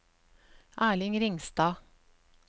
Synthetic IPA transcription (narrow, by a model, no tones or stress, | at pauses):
ʔæːɭɪŋɾɪŋst̪ɑː